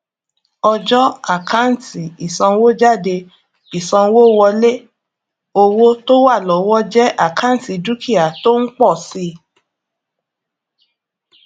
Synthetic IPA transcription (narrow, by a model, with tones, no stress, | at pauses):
ɔ˧d͡ʒɔ˦a˦˨kã˦n̩˨ti˨i˨sã˧wo˦d͡ʒa˦˨de˧ | i˨sã˧wo˦wɔ˧le˦ | o˧wo˦to˦wa˦˨lɔ˨˦wɔ˦d͡ʒɛ˦ʔa˦˨kʰã˦n̩˨ti˨du˦ki˦˨a˨to˦n̩˦k͡pɔ˦˨si˧˦